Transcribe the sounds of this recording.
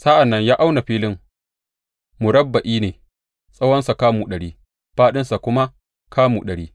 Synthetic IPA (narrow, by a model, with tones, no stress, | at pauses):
sa˦ʔa˨nːɐ˦ɲjaː˦ʔa˦wna˨ɸiː˦lɪ˦ŋ | mʊ˨ɾɐ˦bːa˨ʔiː˦neː˨ | sʼɐ˦wɐ˦nsa˨kaː˦mu˨ɗɐ˨ɽiː˦ | ɸaː˦ɗɪ˦nsa˨kʷʊ˦ma˦ | kʰaː˦mu˨ɗɐ˨ɽiː˦